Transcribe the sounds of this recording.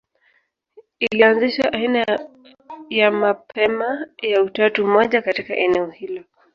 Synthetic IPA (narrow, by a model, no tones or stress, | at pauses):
ilianziʃaʔaina | jamapʰɛmajautatumɔʄakatika̰ʔɛnɛɔhilɔ